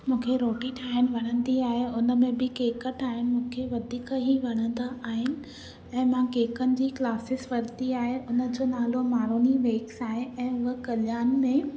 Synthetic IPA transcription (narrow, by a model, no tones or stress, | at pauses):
mũːkʰeɾoːʈiʈʰaːɦɪn̆ʋɐɽ̃ə̃nd̪iaːɦeʊnə̆mẽbɪkeːkəʈaːɦɪnɪ̆mũːkʰeʋɐd̪ʱiːkəɦiʋɐɽ̃ə̃nd̪aʔaːɦɪnɪ̆ | ɛ̃ːmãkeːkənɪ̆d͡ʑiːklaːsɪsʋɐɾt̪iaːɦeʔʊnə̆d͡ʑoːnaːlomaːɾoːniʋeːksaːɦeʔɛ̃ːʊɦəkɐlɪjaːnmẽ